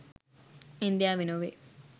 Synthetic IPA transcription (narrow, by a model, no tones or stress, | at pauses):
ind̪jaːʋinoːʋḛ